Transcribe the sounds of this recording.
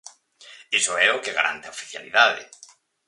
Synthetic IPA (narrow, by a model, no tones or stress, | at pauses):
isoɛokeɣa̰ɾʔa̰nt̪eaofi̥θja̰liðaðɪ̰